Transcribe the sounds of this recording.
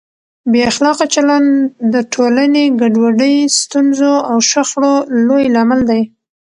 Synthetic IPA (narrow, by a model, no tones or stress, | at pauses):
beaxlɑqat͡ʃalɑnd̪əʈʰolaneɡaɖwaɖəjst̪unzoawʃaxɽolojlamald̪aj